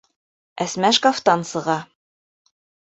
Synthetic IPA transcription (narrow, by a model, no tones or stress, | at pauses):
æsmæʃkaft̪ɑnsɤ̆ʁɑ